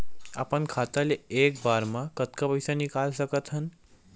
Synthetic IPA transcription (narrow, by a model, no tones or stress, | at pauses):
apənkʰaːt̪aleeːk̚baːɾmãkət̪kapəjsanikaːlsəkət̪ɦən